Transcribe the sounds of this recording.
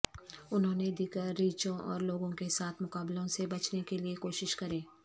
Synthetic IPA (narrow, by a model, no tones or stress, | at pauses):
ʊnɦõːned̪iːkəɾːiːt͡ʃõʔɔ̰ːɾloːɡõkesaːt̪ʰmʊkaːblõsebɐt͡ʃnekeliekoːʃɪʃkɐɾẽː